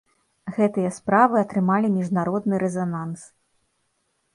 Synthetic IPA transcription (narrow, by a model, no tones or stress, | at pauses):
ɣɛt̪ɨjɐspɾavɨɐt̪ɾɨmalʲimʲiʐnaɾɔd̪̚nɨɾɛzanans